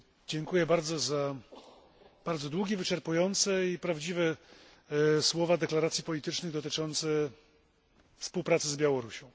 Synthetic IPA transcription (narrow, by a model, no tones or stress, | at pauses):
d͡ʑɛŋkujɛbaɾd̪zɔza | b̥aɾd̪zɔd̪wuɡʲivɘt͡ʂɛɾpujɔnt̪sɛipɾavd͡ʑivɛ | swɔvad̪ɛklaɾat̪sʲjipɔlʲit̪ɘt͡ʂnɘɣd̪ɔt̪ɘt͡ʂɔnt̪sɛ | fspuwpɾat̪sɘzbʲjawɔɾuɕɔ̃w̃